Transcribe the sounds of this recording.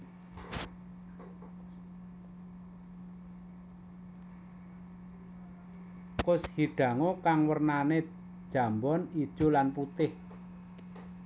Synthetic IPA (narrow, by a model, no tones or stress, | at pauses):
kʊshiɖ̥ä̤ŋokaŋwərnane | d̥ʒ̥a̤mbɔnid̥ʒ̥o̤lanput̪ɪh